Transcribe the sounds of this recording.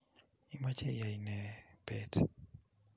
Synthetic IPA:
i˦ma˦t͡ʃɛ˦ja˨inɛ˨pɛ˦t

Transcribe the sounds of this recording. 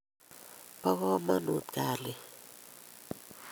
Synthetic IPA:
pa˦ɣɔ˦ma˦nu˨t̪̚ka˨li˨

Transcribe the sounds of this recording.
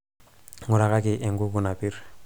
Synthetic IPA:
ŋu˨ɾa˨ka˦ki˨ʔe˨ŋɡu˦kuna˨pi˦ɾ

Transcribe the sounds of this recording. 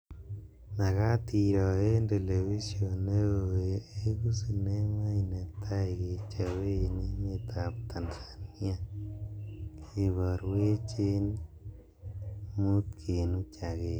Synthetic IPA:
na˨ɣa˦ti˨ɾɔ˨e˦nde˨le˨βi˦sjo˨ne˦o˨e˨e˦ku˦si˨ne˦ŋa˦i˨ne˨tʰa˦i˨ke˨t͡ʃa˨we˦˨ne˦ɲe˨t̪ʰa˨p̚tʰa˨nsḁni˦a˦ | kʰi˨βɔ˨ɾwe˦t͡ʃe˦n | mu˦t̪kʰe˨nu˦t͡ʃa˨ɣe˦

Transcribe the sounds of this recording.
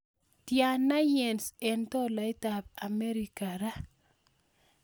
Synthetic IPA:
tja˨nːa˦jɛ˨nsɛ˨ntɔ˦la˦i˦ta˨ba˨me˦ɾi˨ka˨ɾa˦

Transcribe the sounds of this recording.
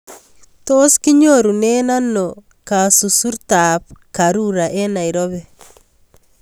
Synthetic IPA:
to˦ski˦ɲoɾu˨nena˦no | ka˨su˨su˦ɾtapkaɾuɾa˨ʔe˦na˨iɾoβɛ

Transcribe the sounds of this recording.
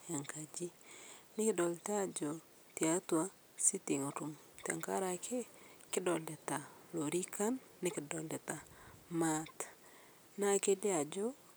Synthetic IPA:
ja˨ŋka˨d͡ʒi˦nɪ˦kɪ˦dɔ˨lta˦d͡ʒo | t̪iat̪wa˦ | si˦ti˨ŋo˨ɾu˨m | t̪a̰˨ŋka̰˦ɾakʰe˦kɪ˦dɔ˨ldɛ˨ta˨lo˨ɾi˦ka˦nːɪ˦kɪ˨dɔ˨ldɛ˨t̪a˨mat̪ | na˦ke˦dɪ˦a˨d͡ʒɔ

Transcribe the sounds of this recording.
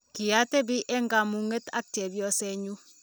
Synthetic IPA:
ki˨ja˦te˦bi˦ʔɛ˦ŋɡa˨mu˨ŋe˦ta̰˦k̚te˨bjɔ˦sɛ˦ɲu˦

